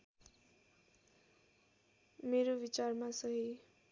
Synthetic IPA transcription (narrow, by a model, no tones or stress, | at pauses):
meɾobit͡sarmasʌɦi